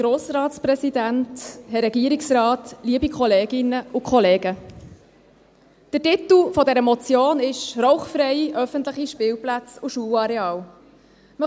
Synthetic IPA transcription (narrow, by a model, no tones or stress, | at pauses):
ɡ̥ɾoːsɾɑːtspɾɛsidænthɛɾɛɡiəɾiksɾɑːtliəbikχɔleːɡɪnəʊkʰχɔleːɡə | d̥ətɪt̪l̩fɔdɛɾəmɔt͡sjoːnɪʃɾɔʊχfɾɛɪiʔœfənt̪ləχiʃpɪːwplæt͡sʊʃuːlɑɾɛɑːl | mə